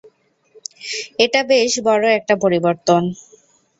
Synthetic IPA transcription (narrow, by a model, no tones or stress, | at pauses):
eʈabeʃbɔɾoɛk̚ʈapoɾiboɾt̪on